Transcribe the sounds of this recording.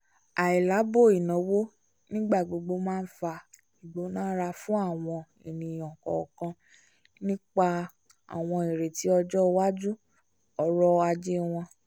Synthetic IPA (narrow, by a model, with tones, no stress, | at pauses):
a˨i˨la˨˦bo˦˨i˨nɔ̃˨˦wo˦ | nĩ˦ɡ͡ba˦˨ɡ͡bo˧ɡ͡bo˧mãː˦˧n̩˦fa˧ | i˨ɡ͡bo˨˦nãː˦ɾa˧fũ˦a˦˨w̃ɔ̃˧ | i˨nĩ˨j̃ɔ̃˨kɔ̰˨kã˧ | nĩ˦k͡pa˦ | a̰˨w̃ɔ̃˧i˨ɾe˨ti˨˦ɔ˧d͡ʒɔ˦˧wa˦d͡ʒu˦ | ɔ˧ɾɔ˦a˧d͡ʒe˦w̃ɔ̃˧